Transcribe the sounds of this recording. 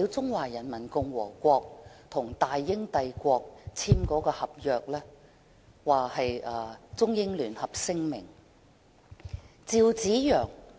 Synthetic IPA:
i˨˧wt͡sʊ˥ŋwaː˨˩jɐ˨˩nmɐ˨˩nkʊ˨ŋwɔː˨˩kʷɔː˧k̚t̪ʰʊ˨˩ŋt̪aː˨jːɪ˥ŋt̪ɐ˧jkʷɔː˧k̚t͡sʰiː˥mkɔː˨˥kɔː˧hɐ˨p̚jœː˨k̚lɛː˥ | waː˨hɐ˨jʔɐː˧t͡sʊ˥ŋjɪ˥ŋlyː˨˩nhɐ˨p̚sɪ˥ŋmɪ̰˨˩ŋ | t͡siː˧wt͡siː˨˥jœː˨˩ŋ

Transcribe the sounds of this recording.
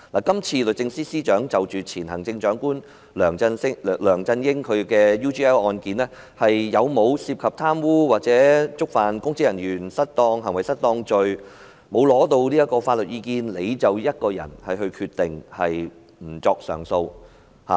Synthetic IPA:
laː˨˩kɐ˥mt͡sʰiː˧lɵ˨t̚t͡sɪ˧ŋsiː˥siː˥t͡ʃœː˨˥ŋt͡sɐ˨˩wt͡ʃyː˨t͡sʰiː˨˩nhɐ˨˩ŋt͡sɪ˧ŋt͡ʃœː˨˥ŋkuː˥n | lœː˨˩ŋɐ˧nsɪ˥˨˩lœː˨˩ŋt͡sɐ˧njɪ˥ŋkʰɵ˨˧ɥkɛː˧juː˥t͡ʃʰiː˥ɛː˥wʔɔː˧nkiː˨˥nlɛː˥ | hɐ˨jːɐ˨˧wmo˨˧wsiː˧p̚kʰɐ˨p̚t̪ʰaː˥mwuː˥waː˨t̚t͡sɛː˨˥t͡sʊ˥k̚faː˨nkʊ˥ŋt͡siː˥jɐ˨˩njyː˨˩nsɐ˥t̚t̪ɔː˧ŋɦɐ˨˩ŋwɐ˨˩jsɐ˥t̚t̪ɔː˧ŋt͡ʃɵ˨˧ɥ | mo˨˧wlɔː˨˥t̪o˧wliː˥jɐ˥tkɔː˧faː˧t̚lɵ˨t̚jiː˨˧kiː˧nle˨˧jt͡sɐ˨wjɐ˥t̚kɔː˧jɐ̰˨˩nhɐ˨jɦɵ˧ɥkʰyː˧t̚t̪ɪ˨ŋhɐ˨j | m̩˨˩t͡sɔː˧k̚sœː˨˩ŋso˧w | ha̰ː˨

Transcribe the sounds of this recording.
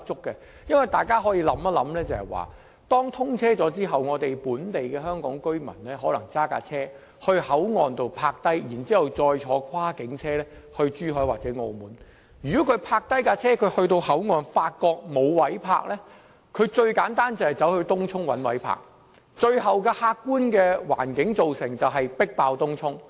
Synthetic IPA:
t͡sʊ˥kːɛ˧ | jɐ˥nwɐ˨jt̪aː˨˩jkaː˥ɦɔː˨˥jiː˧lɐ˨˥mɐ˥lɐ̰˨˥mlɛː˥t͡sɐ˨˩hɐ˨˩jwa̰ː˨˩ | t̪ɔː˥ŋt̪ʰʊ˥ŋt͡sʰɛː˥t͡sɔː˨˥t͡siː˥ɦɐ˨wŋɔː˨˧t̪e˨jpuː˨˥nt̪e˨jkɛː˧hœː˥ŋkɔ̰ː˨˥ŋkɵ˥ɥmɐ̰˨˩nlɛː˥ɦɔː˨˥lɐ˨˩ŋt͡saː˥ka̰ː˧t͡sʰɛː˥ | hɵ˧ɥhɐ˨˥wŋɔː˨nt̪o˧wpʰaː˧k̚t̪ɐ˥jjiː˨˩nt͡siː˥hɐ˨wt͡sɔː˧jt͡ʃʰɔː˨˧kʰaː˥kɪ˨˧˥ŋt͡sʰɛː˥lɛ˥hɵ˧ɥt͡ʃyː˥ɦɵ˨˥jwaː˨t̚t͡sɛː˨˥ŋo̰˧muː˨˥n | jyː˨kɔː˨˥kʰɵ˨˧ɥpʰaː˧k̚t̪ɐ˥jkaː˧t͡sʰɛː˥kʰɵ˨˧ɥhɵ˧ɥt̪o˧whɐ˨˥wŋɔː˨nfaː˧t̚kɔː˧k̚mo˨˧wwɐ˨˥jpʰa̰ː˧k̚lɛː˥ | kʰɵ˨˧ɥt͡ʃɵ˧ɥkaː˨˥nt̪aː˥nt͡sɐ˨˩hɐ˨jt͡sɐ˨˥whɵ˧ɥt̪ʊ˥ŋt͡sʰʊ˥ŋwɐ̰˨˥nwɐ˨˥jpʰa̰ː˧k̚ | t͡ʃɵ˧ɥɦɐ˨wkɛː˧haː˧kːuː˥nkɛː˧wa̰ː˨˩nkɪ˨˥ŋt͡so˨wsɪ˨˩ŋt͡sɐ˨wɦɐ˨jpɪ˥k̚paː˧wt̪ʊ˥ŋt͡ʃʰʊ˥ŋ

